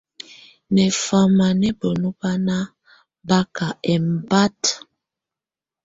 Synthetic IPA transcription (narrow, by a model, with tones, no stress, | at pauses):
nɛ˨fa˨ma˨nɛ˦bo˨nu˦ba˦na˦ | ba˦ka˨ʔɛ˨m̩˨ba˦t